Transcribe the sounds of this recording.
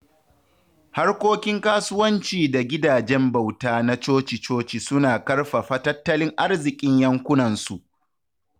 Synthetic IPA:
ha˦rkʷoː˦kʲɪ˦ŋkaː˦sʊ˦wɐ˦nt͡ʃiː˨da˨ɡʲɪ˦daː˨d͡ʒɛ˦mba˨wtaː˦na˦t͡ʃoː˦t͡ʃi˨t͡ʃoː˦t͡ʃi˨sʊ˦naː˨kɐ˦rɸa˨ɸɐ˦tɐ˦tːɐ˦lɪ˦ŋʔa˦rzɪ˨kʲʼɪ˦ɲjɐ˦ŋkʷʊ˦nɐ˨nsu˨ʔ

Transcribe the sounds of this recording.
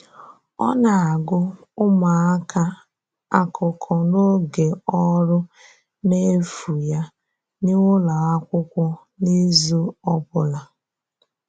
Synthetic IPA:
ɔ̰˦na˨a˨ɡʊ˦ | ʊ˦ma˨a˦ka˦ | a˦kʰʊ˨kʰɔ˨no˦ɡe˨ɔ˦ɾʊ˦ | ne˦fu˨ja˦ | nɪ˦ŋʷʊ˦la˨a˦kʷʊ˦kʷʊ˦ | ni˦zu˦ɔ˦bʊ˨la˨

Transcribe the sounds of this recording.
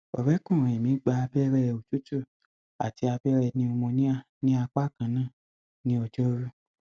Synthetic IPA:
ɔ̰˨bɛ˦kũ˦˨ɛ˨mĩ˨˦ɡ͡ba˧bɛ˦ɾɛ˦˨˧o˨t͡ʃu˦tu˦˨ | a̰˨ti˧a˧bɛ˦ɾɛ˧˨nĩ˧˦ɔ˧mɔ̃˧nĩ˦a˦˨ | nĩ˦a˧k͡pa˦˨kã˨nãː˦˨ | nĩ˦ɔ˧d͡ʒɔ˦ɾu˦

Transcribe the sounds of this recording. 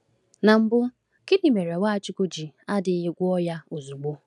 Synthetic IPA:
na˨m̩˦bʊ˦ | kɪ˦ni˨me˨ɾe˨wa˦a˨t͡ʃɪ˦ko˦d͡ʒi˨a˦dɪ˨˦ɦɪ˦ɡʷʊ˦ɔ˦ja˦o˨zu˨ɡ͡bo˦

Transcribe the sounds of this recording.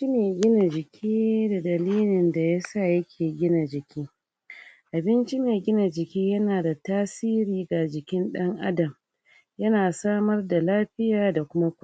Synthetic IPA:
t͡ʃi˦meː˨ɡʲɪ˦na˨d͡ʒɪ˨kʲʰiː˦da˨dɐ˨liː˦lɪ˨nda˨ja˦sa˦˨jɐ˦kʲʰeː˨ɡʲɪ˦na˨d͡ʒɪ˨kʲiː˦ | ʔa˨bɪ˦nt͡ʃi˦meː˨ɡʲɪ˦na˨d͡ʒɪ˨kʲiː˦jɐ˦naː˨da˨taː˦siː˦ɾiː˨ɡa˨d͡ʒɪ˨kʲɪ˦nɗɐ˦ŋʔa̰˦dɐ˨m | jɐ˦naː˨saː˦mɐ˦rda˨laː˦ɸɪ˦jaː˨da˨kʷʊ˦ma˦kʷa˦

